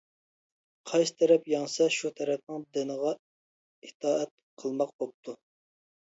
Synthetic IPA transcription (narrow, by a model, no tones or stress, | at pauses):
qʰɑjsɨ̥t̪ʰɛɾɛpjɑŋsɑʃut̪ʰɛɾɛp̚nɨŋd̪ɪnəʁɑ | ɪt̪ʰɑːɛt̪̚ | qʰəlˠmɑq̚bop̚t̪ʰu